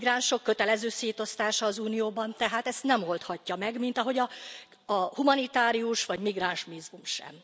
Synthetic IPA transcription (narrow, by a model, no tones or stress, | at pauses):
ɡraːnʃo̞kːøt̪ɛlɛzøːseːt̪o̞st̪aːʃɒːzuːnijoːbɒnt̪ɛɦaːt̪ɛst̪nɛmo̞lt̪hɒcːɒmɛɡmint̪ɒɦo̞ɟɒ | ɒhumɒnit̪aːɾiuʃʋɒɟmiɡraːnʃmizumʃɛ̰m